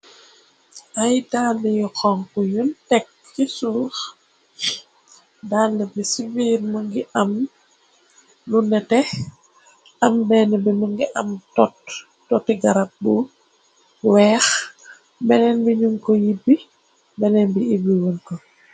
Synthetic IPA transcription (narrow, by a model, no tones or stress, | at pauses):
ʔajdalːɛjɔkɔŋkujuntɛk̚ːisuːx | daːlːɛbisiviɾməŋɡiʔɐm | lunɛtɛ | ɐmbɛːnɛbiməŋɡiʔɐmtɔtː | ɔtːiɡaɾap̚bu | wɛːx | bɛnɛnbiɲuŋkɔjibːi | bɛnɛnbiibiwunkɔ